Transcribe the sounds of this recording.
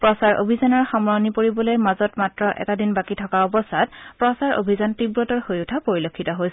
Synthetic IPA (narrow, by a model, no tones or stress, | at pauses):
pɹɔsaɹo̰bʱizanɔɹxamɹɔnipoɹibɔlojmazɔtmatɹɔʔɛ̰tadinbakitʰɔkaɔbɔsat̚pɹɔsaɹo̰bʱizantibɹɔtɔɹhojutʰapoɹilokʰːitɔɦojs